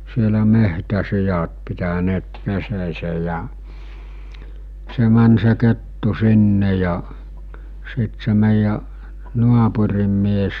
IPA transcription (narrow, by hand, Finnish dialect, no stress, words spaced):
sielæ mehtæsijɑt pitæneːt peseːsej jæ̠ se mæn se ketːu sinːe jɑ sit se meˑijːæ nuɑpurim mies